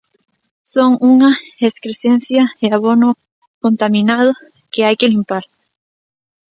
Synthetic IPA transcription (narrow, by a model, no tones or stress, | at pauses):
so̞ŋuŋaeskɾesenθjaeaβono | ko̞nt̪amĩnað̞o | keajkelimpaɾ